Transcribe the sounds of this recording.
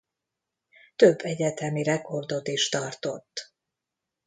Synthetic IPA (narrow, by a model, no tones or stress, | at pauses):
t̪øbːɛɟɛt̪ɛmiɾɛko̞rd̪o̞t̪iʃt̪ɒrt̪o̞t̪ː